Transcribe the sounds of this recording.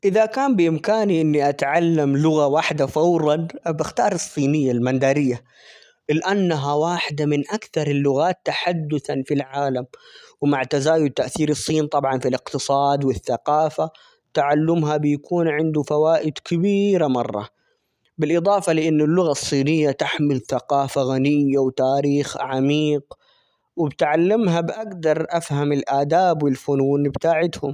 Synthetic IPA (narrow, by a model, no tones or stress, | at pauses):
ʔɪðakaːmbɪʔɪmkaːniʔɪnːiʔat̪ʕalːamlʊɣawaħd̪afɑwɾˤɑnbɪxt̪ɑːɾˤɨsˤːiːnɪjːalmand̪aːɾɪjːa | lɪʔanːaɦawaːħɪd̪amɪnʔakθɑɾˤɪlːʊɣaːt̪ːaħad̪ːʊθanfilʕaːlamwmaʕt̪azaːjʊd̪̚t̪ːaʔθiːɾɨsˤːiːnt̪ˤɑbʕɑnfilɪqt̪ɨsˤɑːd̪wɪθːaqɑːfa | t̪aʕalːʊmɦabɪjakuːnʕɪnd̪ufawaːʔɪd̪kɪbiːɾamɑrˤːɑ̰ | bɪlʔɨd̪ˤɑːfɑlɪʔɪnːʊlːʊɣasˤːiːnɪjːat̪aħmɪlθaqɑːfaɣanɪjːawt̪aːɾiːxʕamiːq | wɪbɪt̪ʕalːɪmɦabʔaɡd̪ɑɾˤʔafhamɪlʔaːd̪aːbwɪlfʊnuːnbt̪aːʕɪt̪hʊm